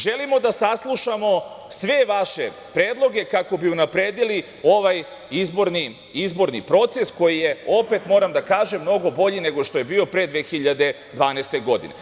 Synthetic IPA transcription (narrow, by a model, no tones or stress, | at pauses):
ʒe̞limo̞d̪asaslˠuʃamo̞sʋe̞ʋaʃe̞ | pɾeːd̪lˠo̞ɡe̞kako̞biunapɾe̞ːd̪ili | o̞ʋaj | izbo̞ɾni | izbo̞ɾnḭpɾo̞t̪se̞sko̞jije̞o̞pe̞t̪mo̞ɾamd̪akaːʒemːno̞ɡo̞bo̞ʎine̞ɡo̞ʃt̪o̞je̞biːo̞pɾe̞d̪ʋexiʎad̪e̞ | d̪ʋaːnest̪e̞ɡo̞d̪ḭne̞̰